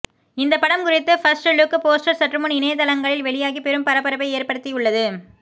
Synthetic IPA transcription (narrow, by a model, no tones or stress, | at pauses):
ɪnd̪ɐpːɐɽɐmkʊrɪt̪ːɐfɐsʈɯlʊkːɯpoːsʈɐɾsɐʈrɾɯmoːnɪnɐjɐt̪ɐlɐŋɡɐɭɪlʋɛɭɪjaːɣipɛɾɯmpɐɾɐpːɐɾɐpɐɪeːrpɐɽɯt̪ːiʊɭːɐðɯ